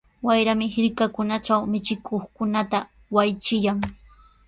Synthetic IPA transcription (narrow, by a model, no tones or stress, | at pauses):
wajɾamɪhɪɾkakʊnat͡ʃawmɪt͡ʃɪkʰoχkʊnat̪a | wajt͡ʃɪjaŋ